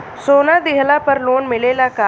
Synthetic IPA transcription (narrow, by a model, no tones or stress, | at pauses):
soːnad̪ɪɦlapəɾloːnmɪleːlakaː